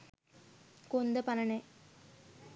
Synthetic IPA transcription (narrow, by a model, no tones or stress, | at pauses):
kond̪ɐpɐnɐɳe